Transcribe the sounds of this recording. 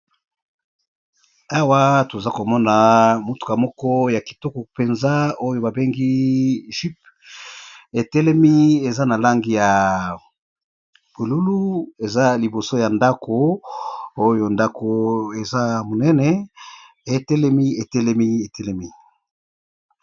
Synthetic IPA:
a˦wa˦to˨za˦ko˨mɔ˦na˨mu˨tu̥˨ka˨mɔ˦kɔ˦ja˨ki̥˨tɔ˦kɔ˨pe˨nza˦o˦jo˨ba˨be˦ŋɡi˦ʒi˦p̚ | e˨tɛ˦le˦mi˦e˨za˦na˨la˦ŋɡi˦ja˨ | pu˨lu˦lu˦e˨za˦li˨bo˨so˦ja˨nda˦kʰo˨ | o˦jo˨nda˦ko˨e˨za˦mo˨nɛ˦nɛ˨ | e˨tɛ˦lɛ˦mi˦e˨tɛ˦lɛ˦mi˦e˨tɛ˦le˦mi˦

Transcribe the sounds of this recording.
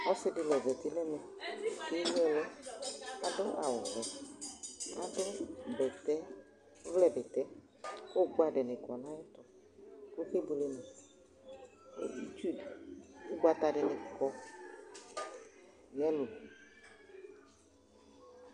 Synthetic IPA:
ɔ˦sɪ˧dɪ˧˨lɛ˨vɛ˨tɪ˦nɛ˦mɛ˨ | ke˦jɛ˧lɔ˦ | a˨dʊ˦ʔa˨wɔ˨vɛ˨ | a˨dʊ˦bɛ˨tɛ˦ | vlɛ˨bɛ˨tɛ˨˦ | kʊ˦ɡa˦dɛ˨nɪ˨kɔ˨na˦jɛ˦tɔ˨ | kʊ˦ke˦bu˨lɛ˨˧nɛ˨˦ | i˦tu˦˨dʊ˦ɡʷa˨˧ta˧dɛ˨nɪ˨kɔ˧ | jɛ˦lʊ˨

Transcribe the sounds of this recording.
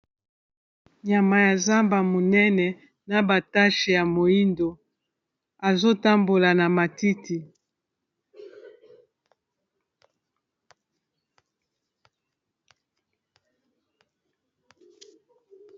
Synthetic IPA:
ɲa˨ma˨ja˨za˦mba˨mo˨nɛ˦nɛ˨ | na˨ba˨ta˦ʃe˨ja˨mo˨i˦ndo˨ | a˨zo˦ta˦mbo˨la˨na˨ma˨ti˦ti˨

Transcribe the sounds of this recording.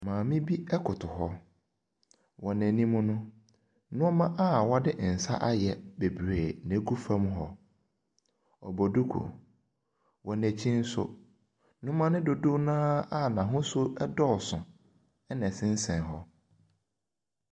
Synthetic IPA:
mãː˨mĩ˦bi˦ɛ˦kʰʊ˨tʰʊ˨ɦɔ˦ | wɔ˨næ̃˨nĩ˦mʊ̃˦nʊ̃˦ | nʊ̃˦ɔ˦mã˦ʔa˦wɔ˦dɪ˦ʔn̩˨sa˦ʔa˦jɛ˨be˨bɾeː˨nẽ˨˦ɡu˦fã˦m˦ɦɔ˦ | ɔ̰˨bɔ˨du˦kʰṵ˨ | wɔ˨næ˨t͡ɕʰĩ˦n̩˦sʊ̰˦ | nʊ̃˦mã˦nɪ̃˦dʊ˨dʊ˦nãː˦a˦˨nã˨ɦʊ̃˦sʊ˦ɛ˦dɔ˦˨sʊ̃˨ | ɛ˦nɛ̃˨sɪ̃˦n̩˦sɛ̃˨n˨ɦɔ˦

